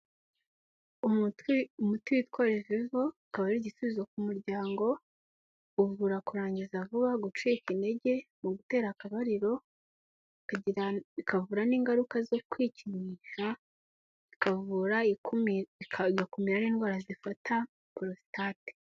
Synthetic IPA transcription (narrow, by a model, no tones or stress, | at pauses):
uwumutwiwitwoɾeʒeʒo̞ikaβaɾiɾiɟisuβizokumuɾɟaːŋɡo̞ | uvuɾakuɾaːɲɟizavuβaɡut͡ʃikinde̞ɟe̞muɡute̞ːɾakaβaɾiɾo̞ | ikavuːɾaniːŋɡaɾukazo̞kwiːciɲiʃa | ikavuɾa | ɡakumiɾaniːnɡwaːɾazifatʰa | puɾosi̥taːte̥